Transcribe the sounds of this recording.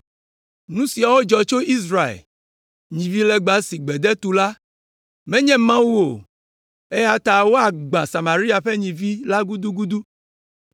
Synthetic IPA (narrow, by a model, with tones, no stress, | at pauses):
nũ˦si˨a˨wo˦d͡ʒɔ˨t͡ʃo˦i˦s̬ɾa˨ḛ˨l | ɲĩ˨vi˦lɛ˦ɡ͡bã˨si˨ɡ͡bɛ˨d̪ɛ˦t̪u˨la˦ | mɛ̃˦ɲɛ̃˦mã˦wu˦o˨ | e˦ja˦t̪a˨wo˦a˨ɡ͡bã˨sa˨mã˨ɾi˦a˨ɸɛ˦ɲĩ˨vi˦la˦ɡu˦d̪u˦ɡu˦d̪u˦